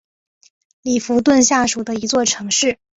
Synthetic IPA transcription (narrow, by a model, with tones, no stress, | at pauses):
li˨˩fu˧˥t̪wə˥˧nɕja˥˩ʂu˨˩d̪ə˦i˧˥t͡swɔ˥˩ʈ͡ʂʰɤ˧˥ŋʂɻ̩˥˩